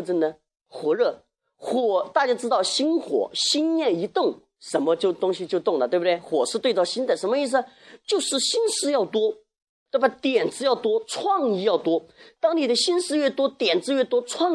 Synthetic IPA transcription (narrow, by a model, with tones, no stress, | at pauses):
ə˥˩nə˩ | xwɔ˧˥ɻɤ˥˩ | xwɔ˨˩t̪a˥˧t͡ɕja˥ʈ͡ʂɻ̩˥t̪ɑ˥˩ʊɕi˥nxwɔ̰˨˩˥ɕi˥njɛ˥˩ni˧˥t̪ʊ˥˩ŋ | ʂə˧˥nmə˧t͡ɕjo˥˧ʊt̪ʊ˥ŋɕi˧t͡ɕjo˥˧ʊt̪ʊ˥˩ŋnə˩t̪we˥˩bd̪e˥˩ɪxwɔ˨˩ʂɻ̩˥˧t̪wt͡sɑ˥˩ʊɕi˥nt͡s̪ə˥˩ʂə˧˥nmə˧i˥˩s̬̩˩nə˧ | t͡ɕjo˥˧ʊʂɻ̩˥˩ɕi˥nʂɻ̩˥jɑ˥˩ʊt̪wɔ˥ | t̪wbt̪jɛ˨˩nʈ͡ʂɻ̩˧˥jɑ˥˩ʊt̪wɔ˥t͡sʰwɑ˥˧ŋi˧˥jɑ˥˩ʊt̪wɔ˥t̪ɑ˥ŋni˨˩d̪ə˦ɕi˥nʂɻ̩˥ɥɛ˥˩t̪wɔ˥t̪jɛ˨˩nʈ͡ʂɻ̩˥ɥɛ˥˩t̪wɔ˥ʈ͡ʂʰwɑ˥˧ŋ